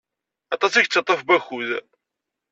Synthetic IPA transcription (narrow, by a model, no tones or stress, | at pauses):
ɑt̪ˤɑsiʝt͡sːɑt̪ˤːəfbæçuð